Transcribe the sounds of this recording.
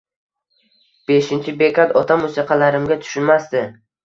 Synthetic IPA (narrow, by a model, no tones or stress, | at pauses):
b̥e̞ʃɪnt͡ʃʰɪbe̞kʰʲat̪ɒt̪ʰamʊsɨqʰɑlaɾɪmɡʲat̪ʰʊ̥ʃʊnmast̪ɪ